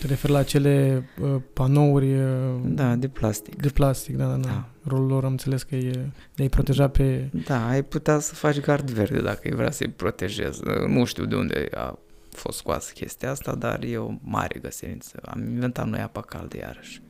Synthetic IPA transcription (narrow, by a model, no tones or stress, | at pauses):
t̪əɾe̞fe̞rlaːt͡ʃe̞le̞əpano̞urʲəd̪ad̪eplast̪i̥kd̪eplast̪ikd̪ad̪ad̪ | ro̞lulo̞ɾamnseleskəj | d̪eajpɾo̞t̪e̞ʒaped̪aːjput̪easəfat͡ʃɡard̪verd̪e̞̰d̪akə̰jvɾea̰səjpɾo̞t̪eʒe̞̰znuʃt̪iwd̪eund̪ḛa̰ | fo̞st̪skua̰sə̥kʲʰe̞st̪iaast̪ad̪arjeomaɾʲʔeɡəsinint̪səaminvent̪at̪nojapakald̪eja̰ɾəʃʲ